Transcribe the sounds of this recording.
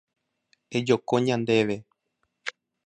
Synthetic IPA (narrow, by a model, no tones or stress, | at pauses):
ed͡ʒokoɲãnd̪e̞ʋe̞